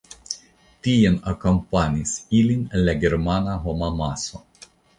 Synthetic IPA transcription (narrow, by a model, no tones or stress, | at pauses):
t̪ʲijɛnɐkɔmpanʲisilʲinʲlʲɛɡʲɛɾmanaɦɔmɑmaso